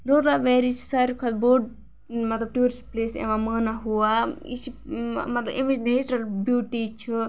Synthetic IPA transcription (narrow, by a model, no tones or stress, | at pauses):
d̪od̪aʋeːɾit͡ʃʰi̥saːɾʲikʰad̪boːɖ | mɐt̪lɐb̚ʈuːɾisʈpleːsḛ̃ʋãmaːnaɦuaḭt͡ʃʰimɐt̪lɐbimed͡ʒineːsʈɐɾbjuːʈit͡ʃʰu